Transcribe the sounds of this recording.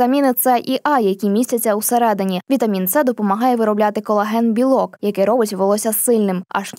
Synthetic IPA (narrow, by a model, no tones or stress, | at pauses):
ɐmʲinɪt̪sɛʔiʔɑjɐkʲimʲisʲtʲɐt͡sʲːɐuseɾɛd̪ɪnʲiʋʲit̪ɐmʲint̪sɛd̪ɔpɔmɐɦɑjɛʋɪɾɔblʲat̪ɪkɔlˠɐɦɛnbʲilˠɔkjɐkɛɾɔbɪtʲʋʋɪlˠɔsʲɐsɪlʲnɪmɐ̰ʃ